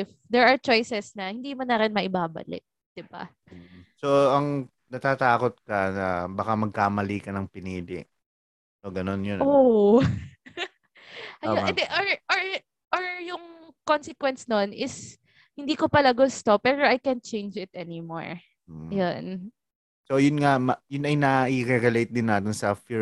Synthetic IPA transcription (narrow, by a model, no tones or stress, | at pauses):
ɪfd̪ɛɹɐɹt͡ʃo̞jsɛsnɐhɪnd̪iːmɐnɐɾɪnmɐʔɪbaːbɐ̰lɪ̰t̪̚d̪̥ɪba̰ | soɐŋ | nɐt̪aːt̪aːkot̪̚kɐnɐbɐkamɐɡ̚kaːmɐliːkɐnɐŋpɪniːd̪ɪ̰ʔ | soɡɐnonjono | ʔɐjoɛnd̪ɛʔoɹʔoɹ | ʔoɹjʊŋkonsɛkwɛnsnonʔɪs | hɪnd̪iːkopɐlɐɡost̪opɛːɾoʔajkɛnt̪̚t͡ʃẽjnd͡ʒɪt̪̚ʔɛnɪmo̰ɹ̩ | jon | sojʊnŋamɐjʊnɐjnɐʔiɾɛɡʊlejt̪̚d̪ɪnːaːt̪ɪnsɐfi